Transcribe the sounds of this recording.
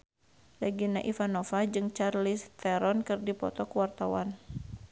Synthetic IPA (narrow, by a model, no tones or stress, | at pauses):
laɡinaʔifanofad͡ʒɨŋt͡ʃarlist̪ɛɾɔnkɨrdipɔ̰t̪ɔkəwart̪awan